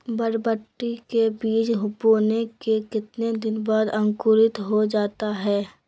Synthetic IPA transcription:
bəɾbəʈːikebiːt͡ʃɦʊpoːnekekɪt̪ned̪ɪnbaːd̪ɐ̃ŋkʊɾɪt̪ɦod͡ʒaːt̪aɦɛː

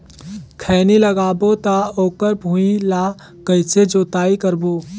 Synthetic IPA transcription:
kʰɛːniləɡaːbot̪aoːkəɾbʱuĩlaː | kɐɪsed͡ʒoːt̪aːikəɾboː

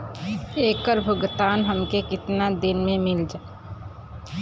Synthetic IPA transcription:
eːkːəɾbʱʊɡt̪aːnɦəmkekɪt̪nad̪ɪnmẽmɪld͡ʒa

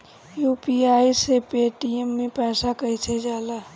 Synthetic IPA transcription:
juːpiaːisepeːʈiemːẽpɛːsakəit͡ʃʰed͡ʒaːla

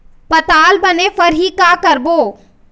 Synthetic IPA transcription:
pɐt̪aːlbənepəɾɦikakəɾboː

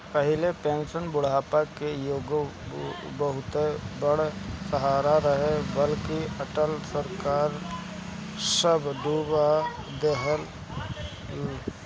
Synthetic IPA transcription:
pəɦɪlepẽːnsənbʊɽ̤aːpakejoːɡ | bəɦʊt̪ebəɽsəɦaːɾaɾəɦebəlkiəʈəlsəɾkaːɾ | səbd̪ubad̪eɦəl

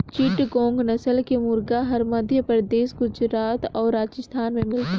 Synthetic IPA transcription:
t͡ʃiʈɡõːŋɡnɐsəlkemʊɾɡaɦɐɾmɐd̪ʱjəpəɾd̪eːsɡʊd͡ʒɾaːt̪ɔːɾːaːd͡ʒəst̪ʰaːnmẽmɪlt̪

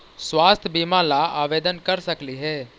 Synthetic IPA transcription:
swaːst̪ʰəbimãlaaːʋeːd̪ənkəɾsəkliɦɛː

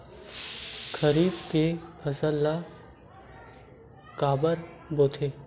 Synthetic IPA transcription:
kʰəɾiːb̚kepʰəsəlːa | kaːbəɾ | boːt̪ʰeː

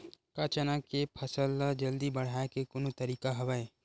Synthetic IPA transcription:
kat͡ʃənakepʰɐsəld͡ʒɐld̪ibɐɽ̤aːekekʊnõt̪ɐɾiːkaɦɐʋae

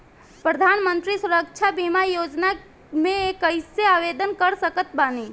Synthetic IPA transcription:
pɾəd̪ʱanmənt̪ɾisuɾək̚t͡ʃʰabimajod͡ʒna | mẽekəjseaʋed̪ənkəɾsəkət̪bani

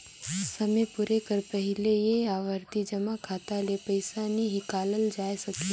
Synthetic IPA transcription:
sɐmepʊɾekəɾpəɦɪlejeaːʋəɾt̪id͡ʒəmakʰaːt̪alepəɪsaniɦikaːləld͡ʒaːesɐke

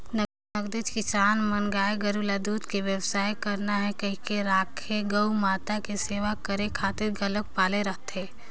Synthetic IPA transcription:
nə | əɡd̪ed͡ʒkɪsaːnmɐnɡaːeɡɐɾulad̪uːt̪keʋjəwsaːjkɐɾnaɦɛkɐɦikeɾaːkʰeɡɐumaːt̪akeseːʋakɐɾekʰaːt̪ɪɾɡɐlək̚paːleɾɐɦt̪eː

